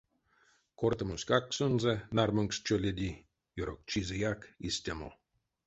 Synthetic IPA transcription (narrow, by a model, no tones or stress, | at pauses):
kort̪ə̆mosʲkaksɨnzenarmøŋkst͡ʃolʲed̪ʲi | joɾo̰k̚t͡ɕizʲejakisʲt̪ʲamo̰